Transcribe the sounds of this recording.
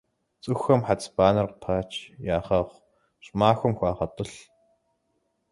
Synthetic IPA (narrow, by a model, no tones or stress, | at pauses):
t͡sʼɨxɐmħat͡sʰbaːnɐrqtʰaːt͡ʃʰjaːχɐʁʷ | ɕmaːxʷʊmxʷaːʁɐtʼɨɬ